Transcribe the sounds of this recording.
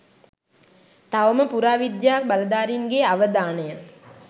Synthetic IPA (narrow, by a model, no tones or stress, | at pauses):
t̪aʋəməpuɾaːʋid̪jaːk̚baləd̪aːɾinɡeaʋəd̪aːnəjə